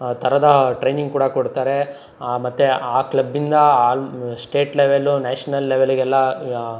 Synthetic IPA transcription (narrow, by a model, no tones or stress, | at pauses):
t̪ʰɐɾɐd̪ɐʈɾejniŋɡkuːɽɐkoɽt̪aːɾe̞ | mɐt̪ːeaːklɐbːind̪ɐaːsʈe̞ːʈleʋelunaːʂɐnɐlːeʋeliɡɛlːɐ